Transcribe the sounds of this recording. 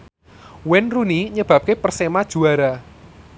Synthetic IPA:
wɛnruniɲəb̥ä̤p̚kepərsemad̥ʒ̥ṳaɾa

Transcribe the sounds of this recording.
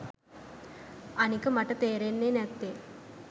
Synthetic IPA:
ɐnikʲːɨmɐʈːɐt̪eːɾenːenet̪ːe

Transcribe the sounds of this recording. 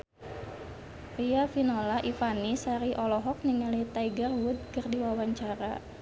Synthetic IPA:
riafinolaʔifanisaɾiʔɔlɔɦɔk̚niŋalit̪aiɡərwud̪̚kərdiwawaɲt͡ʃaɾa̰

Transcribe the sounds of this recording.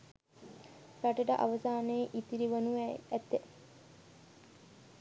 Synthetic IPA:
ɾaʈəʈəʔa̰ʋəsaːneʔit̪iɾiʋɐnuæt̪ːe

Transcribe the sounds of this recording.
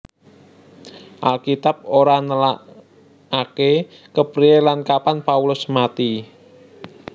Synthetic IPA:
ʔalkit̪ap̚oɾanəla | ake | kəpɾielankapanpaulʊsmat̪i

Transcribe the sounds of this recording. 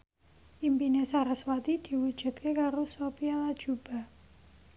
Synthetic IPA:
ʔimpinesaɾaswat̪id̪̥i̤wud̥ʒ̥ṳt̪̚kekaɾosopialad̥ʒ̥ub̥a̤

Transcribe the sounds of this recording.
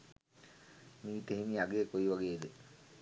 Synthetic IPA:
miːit̪eɦimiaɡeːkoiʋaɡeːd̪e

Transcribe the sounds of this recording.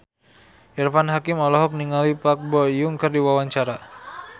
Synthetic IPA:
ɛrfanɦakimɔlɔɦɔk̚niŋalipak̚bɔjuŋkərdiwawaɲt͡ʃaɾa

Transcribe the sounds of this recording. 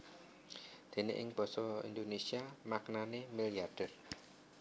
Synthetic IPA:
d̪̥e̤nḛʔɪ̰ŋb̥ɔ̤sɔḭnd̪onesiamaknanemiliarɖ̥ɛr

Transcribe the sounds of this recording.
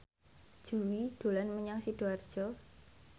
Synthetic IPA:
ʒ̥uwid̪̥o̤lanməɲaŋsid̥oard̥ʒ̥ɔ

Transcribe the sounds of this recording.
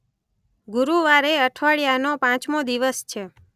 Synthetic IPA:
ɡuɾuʋaɾeəʈʰʋaɭjanopãt͡ʃmod̪iʋəst͡ʃʰe

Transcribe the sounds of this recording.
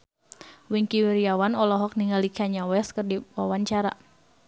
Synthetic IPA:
wiŋkiwiɾiawanɔlɔɦɔk̚niŋalikʰaɲawɛskərdiwawaɲt͡ʃaɾa

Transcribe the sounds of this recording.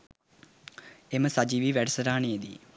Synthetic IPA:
emɐsɐd͡ʒiʋiʋeɖɐsɐɾaːɳied̪i

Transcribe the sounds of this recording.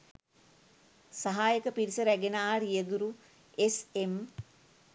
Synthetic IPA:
saɦaːjəkəpiɾisəɾæɡenaːɾijəɡuɾu | esem

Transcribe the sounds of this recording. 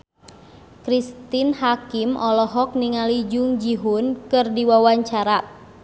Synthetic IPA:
kɾist̪inhakimʔɔlɔɦɔk̚niŋalid͡ʒuŋd͡ʒiɦunkɨrdiwawaɲt͡ʃaɾa

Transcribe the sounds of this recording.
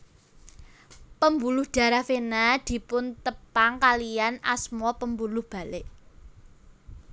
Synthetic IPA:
pəmbulʊhɖ̪̥a̤ɾafenad̪̥i̤pʊnt̪əpaŋkalijana̰smɔpəmbulʊhb̥a̤lɪʔ

